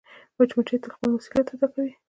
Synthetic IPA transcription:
bat͡ʃmat͡ʃet̪əɾxpəlmusi̥ljat̪ad̪akawi

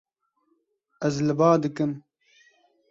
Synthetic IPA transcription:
ɐzlɨbaːd̪ɨkɨm

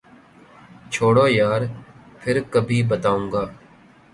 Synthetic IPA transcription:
t͡ʃʰoːɽoːjaːɾ | pʰɪɾkəbʱiːbət̪aːũːɡaː

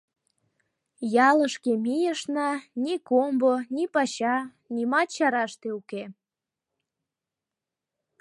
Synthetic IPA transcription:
jɑləʃkemijəʃnɑnikombonipɑɕɑ | nʲimɑt̪t͡ɕɑɾɑʃt̪euke

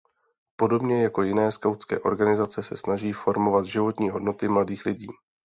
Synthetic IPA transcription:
po̞do̞bɲɛjako̞jɪnɛːskawt͡skɛ̰ːʔo̞̰ɾɡanɪzat͡sɛsɛ̰snaʒiːfo̞ɾmo̞vat̪ʒɪvo̞t̪ɲiːɦo̞dno̞t̪ɪmladiːxlɪɟḭː

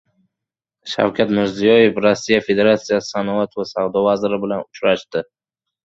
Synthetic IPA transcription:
ʃa̰wkʲʰat̪mɪɾzijɒje̞fɾosːijafe̞d̪e̞ɾat̪sijasɪ̥sanɒat̪vasawd̪ɒvazɪɾɪbɪlanʊt͡ʃɾaʃt̪ɪ

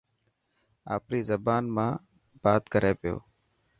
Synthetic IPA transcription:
aːpɾiːzəbaːnmãː | b̥aːt̪kəɾeːpɪjo̰ː

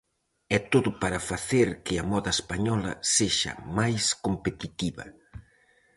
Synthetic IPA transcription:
ɛt̪oðʊpaɾɐfaθeɾkɪɐmɔðɐespaɲɔlɐ̰seʃɐ̰majskompet̪it̪iβɐ̰

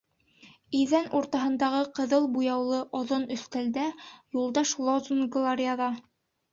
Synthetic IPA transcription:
iðænʔuɾt̪ɑɦɤ̆nd̪ɑʁɤqɤ̆ðɤlˠbujɑwlˠɤʔɒðonɵ̆θt̪æld̪æjulˠd̪ɑʃlˠozunɡlˠaɾʲɪaðɑ

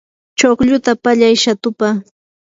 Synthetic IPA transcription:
t͡ʃoχʎʊt̪apaʎajʃat̪ʊpa

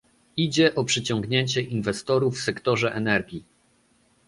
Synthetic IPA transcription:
id͡ʑɛʔɔpʂɘt͡ɕɔŋɡɲeɲt͡ɕɛʔinvɛst̪ɔɾufːsɛkt̪ɔʐɛʔɛnɛɾɡʲi

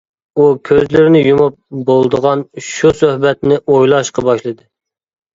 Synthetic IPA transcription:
ukʲʰøzlɪɾnɪjumup̚bolˠd̪əʁɑnʃusøhbɛt̪nɪʔojlˠɑʃqɑbɑʃlˠɨd̪ɨ

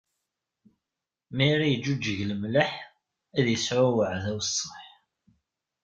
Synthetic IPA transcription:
miɾijəd͡ʒːud͡ʒːəʝləmləħ | æðjəsʕʊwəʕðæwəsˤːəħ

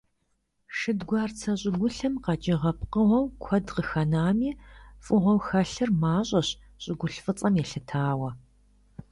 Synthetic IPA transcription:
ʂɨdɡʷɑːrt͡sʰɐɕʼɪɡʷʊɬɨmqɑd͡ʒɪʁɐpqəʁʷɔwkʷʰɐdqəxɐnaːmiːfʼɨʁʷɔwxɐɬɨrmaːɕʼɐɕ | ɕʼɪɡʷʊɬfɨt͡sʼɐmjɛɬɨtʰaːwɐ

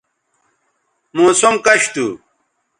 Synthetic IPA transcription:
moːsumkɐɕt̪u

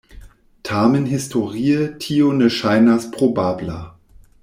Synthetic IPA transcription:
tʰaːmənɦɪstʰoʁiːətʰionəʃaɪnɐspʁ̥obaːbla

